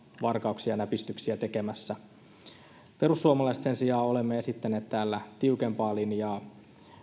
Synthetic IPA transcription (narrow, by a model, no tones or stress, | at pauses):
ʋɑrkɑuksiɑnæpist̪yksiæt̪e̞ke̞mæsːæ | pe̞ɾusːuomɑlɑist̪se̞nsijɑːo̞lemːeesit̪ːæne̞ːt̪t̪æːlːæt̪iukempɑːlinjɑː